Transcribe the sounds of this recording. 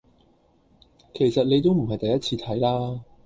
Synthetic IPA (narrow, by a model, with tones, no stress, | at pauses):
kʰe˨˩jsɐ˨t̚ne˨˧jt̪̬o˥wm̩˨˩ɦɐ˨jt̪ɐ˨jːɐ˥t̚t͡sʰiː˧t̪ʰɐ˨˥jlaː˥